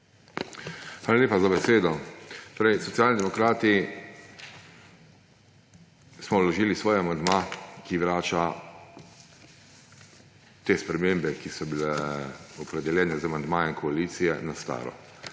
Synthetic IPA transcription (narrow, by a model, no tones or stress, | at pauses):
xʋaːlaleːpazabɛseːd̪ɔt̪oːɾɛjsɔt̪sijaːlnid̪ɛmɔkɾaːt̪i | smɔwlɔʒiːlisʋɔːjɛamand̪makiʋɾaːt͡ʃa | t̪eːspɾɛmeːmbɛkisɔbilɛɔpɾɛd̪ɛljɛːnɛzamand̪maːjɛinkɔaliːt̪sijɛ̰nast̪a̰ːɾɔ̰